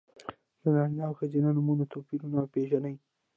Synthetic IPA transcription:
zanaɳjawxazinanʊmunat̪opilunapeʒanəj

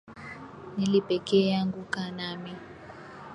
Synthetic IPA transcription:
nilib̥ʱɛkʼɛjaŋɡukanaːmi

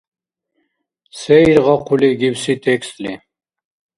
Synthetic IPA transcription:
sɛiɾʁɑqʰuliɡiwsit̪ʰɛkst̪li

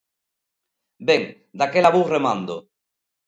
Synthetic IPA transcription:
beŋ | d̪akelaβuremãnd̪o̰

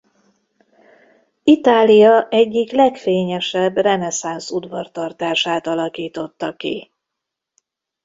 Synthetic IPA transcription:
it̪aːlijɒʔɛɟːiklɛkfeːɲɛʃɛbrɛnɛsansud̪vɒrt̪ɒrt̪aːʃaːt̪ɒlɒkiːt̪o̞t̪ːɒkḭ

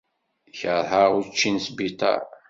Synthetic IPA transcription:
çəɾˤɦəʁʊt͡ʃːinsbit̪ˤɑ̰

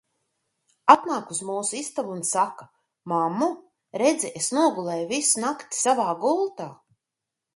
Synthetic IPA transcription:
at̪naːkuzmuːsuist̪avuːnsaka | mamːu | ɾed̪zʲiesnuɔɡulˠɛjuvisunakt̪i̥savaːɡulˠt̪aː

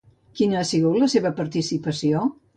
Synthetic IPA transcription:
kinəasiɣut̪ləseβəpəɾt̪isipəsio

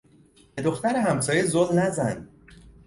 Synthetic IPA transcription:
b̥ed̪o̞xt̪æɾeɦæmsɒːjezolnæzæn

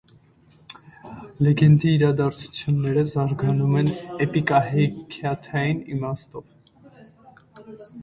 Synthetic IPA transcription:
lɛɡɛnd̪iːɾɑd̪ɑɾt͡sʰu̥t͡sʰjunːɛɾəzɑɾɡɑnumɛnɛpikʼɑɦɛkʰɑt̪ʰɑjinḭmɑst̪ɔv

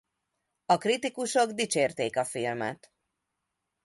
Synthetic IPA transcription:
ɒkrit̪ikuʃo̞ɡd̪it͡ʃeːrt̪eːkɒfilmɛ̰t̪

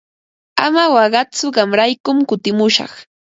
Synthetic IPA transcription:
amawɑɢɑt͡sʊɢɑmɾajkʊmkʊt̪ɪmʊʃɑ̰χ

